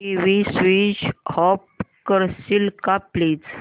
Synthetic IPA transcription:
iʋisʋit͡ɕhɔpkəɾsilkaplit͡s

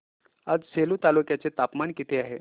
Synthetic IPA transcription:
ad͡zselut̪alukjat͡set̪apmankit̪ʰeaɦe

